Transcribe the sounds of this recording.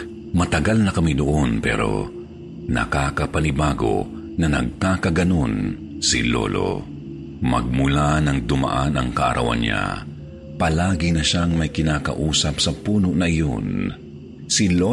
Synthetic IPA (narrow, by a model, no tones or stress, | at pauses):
mɐt̪ɐɡalnɐkɐmid̪oʔonpɛ̰ɾo̞̰ | nɐ̰kaːkɐpɐnɪbaːɡo̞̰ | nɐnɐ̰ɡ̚kaːkɐɡɐno̞n | sɪ̰lo̰lo̰ | mɐ̰ɡ̚mʊlanɐŋd̪ʊma̰ʔanɐŋkɐʔɐ̰ɾʔɐ̰wa̰nɲa̰ | pɐlaːɡɪnɐʃaŋmɐjkɪnaːkɐ̰ʔuːsɐpsɐpuːnoʔnɐʔɪjon | silo